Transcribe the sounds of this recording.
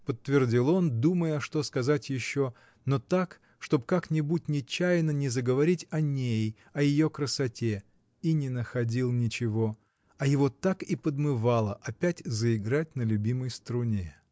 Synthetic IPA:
pət̪ːvʲɪrdʲilˠo̞nd̪uməjəʂt̪o̞skɐzatʲjɪɕːo | no̞t̪ak | ʂt̪o̞pkaknʲɪbut̚ʲnʲɪt͡ɕːæjnənʲɪzəɡəvɐɾʲitʲɐnʲej | ɐjɪjo̞kɾəsɐtʲe | inʲɪnəxɐdʲilˠnʲɪt͡ɕɪvo̞ | ɐjɪvo̞t̪akipəd̪mɨvalˠəʔɐpʲætʲzəɪɡɾat̚ʲnəlʲʉbʲiməjst̪ɾʊnʲe

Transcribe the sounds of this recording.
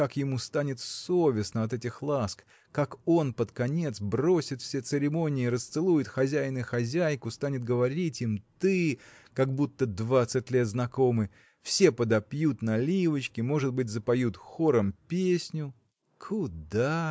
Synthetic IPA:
kakjɪmust̪anʲɪt̪sovʲɪsnəɐt̪ɛtʲɪxlˠask | kako̞npət̪kɐnʲe̞t̪sbro̞sʲɪt̪fsʲet̪sɨɾʲɪmo̞nʲɪːɾəst̪sɨlˠujʊt̪xɐzʲæjnɨxɐzʲæjkʊst̪anʲɪt̪̚ɡəvɐɾʲitʲimt̪ɨ | kaɡbut̪ːəd̪vat̪sɨtʲlʲe̞t̪znɐko̞mɨ | fsʲe̞pəd̪ɐpjut̪nɐlʲivət͡ɕkʲɪmo̞ʐɨd̪̚bɨtʲzəpɐjut̪xo̞ɾəmpʲesʲnʲʊ | kʰud̪a

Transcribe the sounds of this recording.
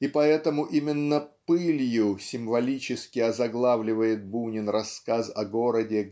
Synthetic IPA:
ipɐɛt̪əmʊʔimʲɪnːəpɨlʲjʊsʲɪmvɐlʲit͡ɕɪskʲɪɐzɐɡlˠavlʲɪvəjɪt̪̚bunʲɪnɾɐskazɐɡo̞ɾədʲɪ

